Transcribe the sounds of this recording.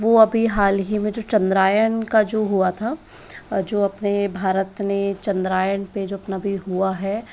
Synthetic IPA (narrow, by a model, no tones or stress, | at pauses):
ʋoɐbʱiɦaːlɦimẽd͡ʒoːt͡ʃɐ̃nd̪ɾaːjəɳkad͡ʒoːɦuat̪ʰa | d͡ʒoːɐpnebʱaːɾət̪net͡ʃɐ̃nd̪ɾaːjəɳped͡ʒoːɐpnabʱiɦuaɦɛ